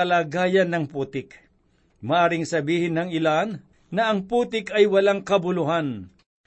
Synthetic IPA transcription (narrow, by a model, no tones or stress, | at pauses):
ɐlaːɡaːjɐnːɐŋpuːt̪ɪk | mɐʔaːɾɪŋsɐbiːhɪnːɐŋɪlanː | ɐɐŋpuːt̪ɪkɐjwɐlaŋkɐbʊlʊɦan